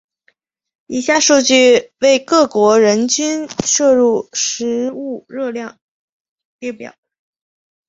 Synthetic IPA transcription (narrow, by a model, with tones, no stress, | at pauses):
i˥˩ɕja˥˧ʂu˥˧t͡ɕy˥˧we˥˧ɪkɤ˥˩kwɔ˧˥ɻə˧˥nt͡ɕy˥nʂɤ˥˧ɻu˥˩ʂɻ̩˧˥u˥˩ɻɤ˥˧ljɑ˥˩ŋ | pi˥˩pjɑ̰˨˩˦